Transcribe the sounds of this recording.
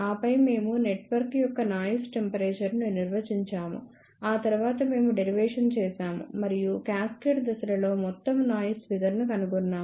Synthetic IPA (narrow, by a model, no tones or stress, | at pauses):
aːpɐjme̞ːmuneʈʋɐɾkjɔkːɐnaːjisʈe̞mpɐɾeːt͡ʃɐɾnuniɾʋɐt͡ʃiɲt͡ʃaːmṵ | aːt̪ɐɾuʋaːt̪ɐme̞ːmuɖeɾiʋɛːʂɐnt͡ʃɛːsaːmṵmɐɾijukaːskeɖd̪ɐsɐɾɐlo̞ːmɔt̪ːɐmnaːjusʋid̪ɐɾnukɐnuɡunːaːm